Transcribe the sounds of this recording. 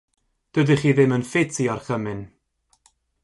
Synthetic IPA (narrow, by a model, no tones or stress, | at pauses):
d̥ədiχiːðɪmənfetʰiɔrχəmɪn